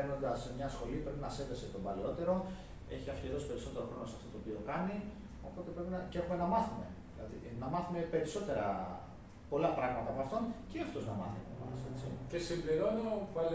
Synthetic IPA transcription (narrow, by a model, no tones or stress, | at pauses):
eɾno̞nd̪ɐsmɲɐsxo̞lipɾe̞pinɐse̞nd̪ɐset̪o̞bɐleo̞t̪e̞ɾo̞ | e̞çiɐfçiɾo̞si̥pe̞ɾiso̞t̪e̞ɾo̞xɾo̞nosɐ̥ft̪ot̪oːpio̞kɐni | o̞̰po̞t̪e̞pɾe̞pinɐceexume̞nɐmɐθume̞̰ðilɐ̰ðḭnɐmɐθume̞pe̞ɾiso̞t̪e̞ɾɐ̰ | po̞lɐpɾɐɣmɐt̪ɐpɐft̪o̞nceɐft̪o̞znɐ̰mɐ̰θḭto̰mɐse̞t͡sicesimbliɾo̞novɐl